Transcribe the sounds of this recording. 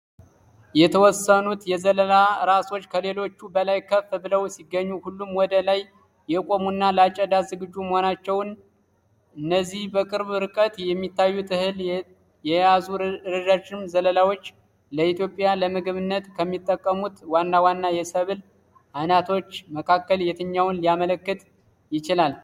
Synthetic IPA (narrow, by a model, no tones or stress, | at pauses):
jɛt̪ʰəwɔsːənut̪jɛzələlaɾaso̞t͡ʃːkʰəle̞lo̞t͡ʃːubəlajkʰːəfːbɨləwsiɡːəɲːuhulːumwɔd̪əlaj | jɛkʼo̞munːaləat͡ʃʼːəd̪azɨɡɨd͡ʒːuməho̞nat͡ʃːɛwn | ʔɨnːəzːihbəkʼɨɾβɾɨkʼət̪jɛmːit̪ʰːajːut̪ʰɨhɨl | jɛjazuɾɨd̪at͡ʃːɪmzələlawo̞t͡ʃː | ləit̪jo̞pʼjaləmɨɡɨβɨnːət̪kʰəmːit̪ʼːəkʼːəmut̪wanːawanːajɛsəβɨl | ʔanat̪ʰo̞t͡ʃːməkʰakːəljɛt̪ʰɨɲːawnlijamələkːɨt̪ | jɪt͡ʃɪlal